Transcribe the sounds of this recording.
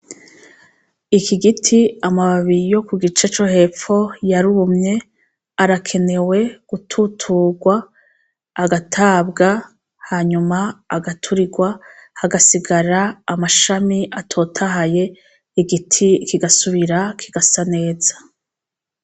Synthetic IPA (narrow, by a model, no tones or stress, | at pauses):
ikiɡitʰiamaβaβijo̞kuɡit͡ʃet͡ʃo̞he̞ːp͡ffo̞jaɾuβumɲe̞ | aɾakʰe̞ne̞we̞ɡ̥utʰutʰuːɡwaː | ɡatʰaːbɡa | haːɲumaːɡatʰuɾiɡwahaɡasiɡaɾaːmaʃamiʔatʰo̞tʰaɦaje̞ | iɡitʰikiɡasuβiɾakʰiɡasane̞ːz̥ḁ